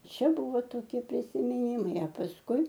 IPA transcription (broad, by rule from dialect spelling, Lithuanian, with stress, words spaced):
ˈt͡ʃʲɛ ˈbʊʋoː toːˈkʲiɛ pʲrʲɪsʲɪmʲɪˈnʲɪmɐɪ ɐ pɐsˈkʊɪ